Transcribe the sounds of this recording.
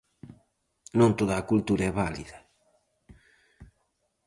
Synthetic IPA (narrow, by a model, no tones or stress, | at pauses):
nõnt̪oðaːkult̪uɾaɛβalḭðɐ